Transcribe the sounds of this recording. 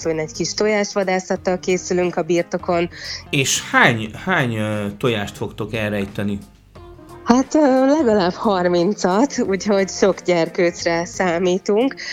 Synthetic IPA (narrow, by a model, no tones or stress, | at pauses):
shonɛckiʃt̪o̞jaːʃʋɒd̪aːsɒt̪ːɒlkeːsylyŋkɒbiːrt̪o̞ko̞neːʃhaːɲhaːɲt̪ojaːʃt̪fo̞kt̪o̞kɛɾɛjt̪ɛni | hat̪ːlɛɡɒlaːbhɒrmint̪sɒt̪ṵːcho̞ɟʃo̞kɟɛrkøːsrɛsaːmiːt̪uŋk